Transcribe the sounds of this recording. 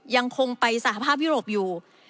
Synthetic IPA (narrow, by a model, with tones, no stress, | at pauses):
ja˧ŋkʰo˧ŋpa˧jsa˧˦ha˧˩pʰaː˥˩p̚juː˥˩ɾoː˨˩p̚juː˨˩